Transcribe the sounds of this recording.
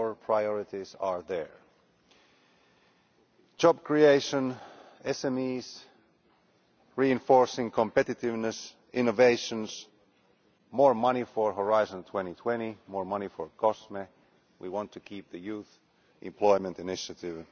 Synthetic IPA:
ə˞pʰɹ̥aɪjɔɹɪɾizəɹðə˞ | d͡ʒɑb̚kʰɹieɪʃə̃n | ɛsɛmiz̥ | ɹiɨ̃ɱfɔɹsɪ̃ŋkʰə̃mpɛɾɨtɪvnɨs | ɪ̃noveɪʃə̃nz̥ | mɔɹmʌñifəɹɦəɹaɪzə̃ntʰw̥ɛ̃ɾ̃itʰw̥ɛ̃ɾ̃imɔɹmʌñifəɹkʰɔsme | wʔiwɑ̃ntʰɨkʰip̚ðɨjʉθ | ʔɪ̰̃mpʰl̥ɔɪmə̃ntɨnɪʃɨɾɪv

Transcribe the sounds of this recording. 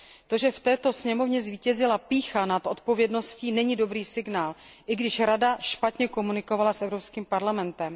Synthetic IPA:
t̪o̞ʒɛft̪ɛːt̪o̞sɲɛmo̞vɲɛzviːcɛzɪlapiːxanat̪ʔo̞t̪̚po̞vjɛdno̞sciːnɛɲido̞bɾiːsɪɡnaːlʔɪɡdɪʃɾadaʃpat̪ɲɛko̞munɪko̞valasɛvɾo̞pskiːmpaɾlamɛnt̪ɛm

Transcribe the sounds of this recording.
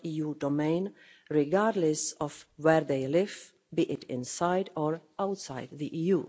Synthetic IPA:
ijudomẽɪ̃n | ɹɪɡaɾdlɛsɔfwɛɹðeɪlɪv | biʔɪtɪ̰̃nsaɪdɔɹawtsajdðiʔiju

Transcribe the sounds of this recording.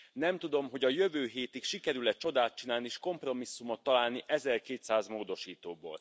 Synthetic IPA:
nɛmt̪ud̪o̞mɦo̞ɟɒjø̞vøːɦeːt̪ikʃikɛɾylɛt͡ʃo̞d̪aːt̪t͡ʃinaːlniʃko̞mpro̞misːumot̪ːɒlaːlniʔɛzɛrkeːt̪saːzmoːd̪o̞ʃiːt̪oːbo̰ːl

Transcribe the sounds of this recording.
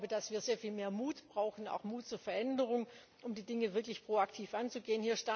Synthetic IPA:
bədasv̥iːɐzeːɐfiːlmeːɐmuːtb̥ʁaʊxn̩a̰ʊxmuːtt͡suːɐfɛɐʔɛndəʁ̞ʊŋ | ʔʊmdiːdɪŋəvɪɐklɪçpʁ̥oːaktʰiːfʔant͡suɡeːənhiːɐʃta

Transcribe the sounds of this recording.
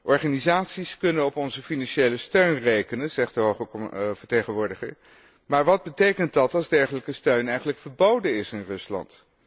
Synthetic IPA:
ʔɔɹχaːnizaːtsiskɵnənɔpɔnzəfinɑnʃejləstøɥnrejkənənzɛχt̚dəɦoχəvəɹtejχənʋʊːɹdɪχə̰ɹ | maːɹʋɑd̚bətejkəndɑtɑlˠzdɛɹχələkəstøɥnɛjχən̩ləkfəɹbowdənɪsɪnrɵslɑ̰nt

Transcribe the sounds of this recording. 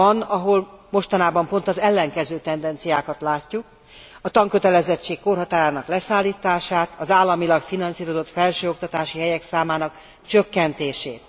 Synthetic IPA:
ɒnɒɦo̞lmo̞ʃt̪ɒnaːbɒmpo̞nt̪ɒzɛlːɛŋkɛzøːt̪ɛnd̪ɛnt̪sijaːkɒt̪laːcːuk | ɒt̪ɒŋkøt̪ɛlɛzɛt͡ʃːeːkːo̞rɦɒt̪aːɾaːnɒklɛsaːlːiːt̪aːʃaːt̪ɒzaːlːɒmilɒkfinɒnsiːɾo̞zo̞t̪fɛlʃøːo̞k̚t̪ɒt̪aːʃiɦɛjɛksaːmaːnɒk | t͡ʃøkːɛnt̪eːʃeːt̪

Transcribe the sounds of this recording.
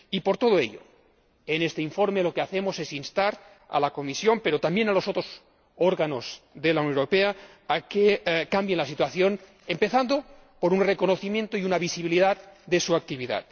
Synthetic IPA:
ipoɾt̪oðoḛʎo̰ | enest̪eiɱfoɾmelokeaθemosesinst̪aɾ | a̰lakomisjo̞mpe̞ɾot̪ambje̞nalo̞sot̪ɾos | oɾɣano̞zðelaunoɾopea | akekambjenlasit̪waθjo̞n | empe̞θand̪o | poɾunrekonoθimje̞nt̪oiunaβisiβiliðat̪d̪esuak̚t̪iβiða̰t̪

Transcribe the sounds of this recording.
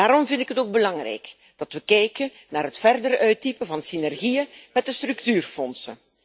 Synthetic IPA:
aːɾɔmvɪntɪkɦətoːɡ̚bəlɑŋrɛ̰jk | d̥ɑtʋəkɛjkən | naːrɦətfɛrdəɾœɥtipəvɑnsinɛrɣijənmɛt̚dəstrɵktyːrfɔnsən

